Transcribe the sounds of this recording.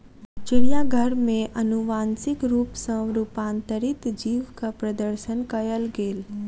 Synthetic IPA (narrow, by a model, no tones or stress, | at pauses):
t͡ʃɪɽijaɡʱəɾmẽʔɐnuʋaːnsɪkɾuːpsə̃wɾuːpãːnt̪əɾɪt̪d͡ʒiːʋkapɾɐd̪əɾʃənkɐjəlɡeːl